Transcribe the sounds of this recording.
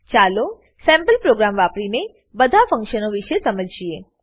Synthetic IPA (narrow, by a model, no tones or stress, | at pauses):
t͡ʃalo | sɛ̃mpəlpɾoɡɾamʋapɽine | bəd̪ʱafə̃ŋkʃənoʋiʃesəməd͡ʒʱie